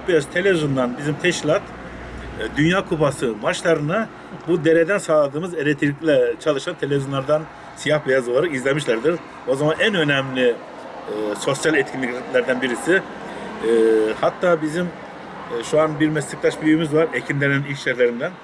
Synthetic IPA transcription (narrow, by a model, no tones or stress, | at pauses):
bijazt̪ʰelʲevizond̪anbizimt̪ʰɛʃlˠat̪ | d̪ynjaːkʰupasɯmaʃlˠaɾɯna | bud̪e̞ɾed̪ænsaːlˠad̪ɯːmɯzeɾɛt̪ʰilʲicʲlʲɛt͡ʃʰalˠɯʃant̪ʰelʲeviznlˠaɾd̪an | sijahbijazolˠaɾakizlʲemiʃlʲæɾd̪iɾ | o̞zamanænø̞nɛmlʲi | so̞sjalʲɛt̪̚cʰinlʲiclʲæɾd̪ænbiɾisi | hat̪ʰːaːbizim | ʃuanbiɾmɛst̪ik̚t̪ʰaʃbyyjymizvaɾecʰind̪ɛnønilʲʃjɛɾlʲeɾind̪æn